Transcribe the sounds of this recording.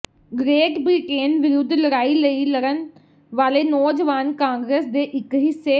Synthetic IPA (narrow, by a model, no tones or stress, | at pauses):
ɡɾeːʈbɾiʈeːnʋɪɾʊd̪ʱːləɾaːiləiləɾən | ʋaːleːnɔːd͡ʒəʋaːnkãːŋɡɾeːsd̪eːʔɪkɦɪseː